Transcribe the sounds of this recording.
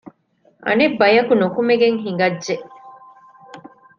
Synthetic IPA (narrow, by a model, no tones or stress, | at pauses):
ʔɐ̰nebːɐjɐkunokumeɡeŋɦiŋ̆ɡɐdːʒeʔ